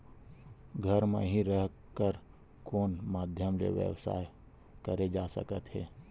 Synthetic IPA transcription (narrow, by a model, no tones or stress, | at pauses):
ɡʱəɾmḛ̃ɦiɾəɦ | kəɾ | koːnmaːd̪ʱjəmlḛʋjḛwsa̰ːe | kəɾed͡ʒaːsə̰kət̪ɦɛː